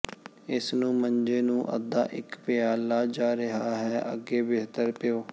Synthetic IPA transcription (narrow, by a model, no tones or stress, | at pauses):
ɪsnũːməɲd͡ʒeːnũːʔə̰d̪a̰ːʔɪkpeaːlaːd͡ʒaːɾɪɦaːɦɛːʔə̰ɡeːbeːt̪əɾpɪjoː